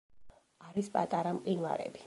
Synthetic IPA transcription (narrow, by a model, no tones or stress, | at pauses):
aɾispʼat̪ʼaɾamqʼinla̰ɾɛ̰bi̥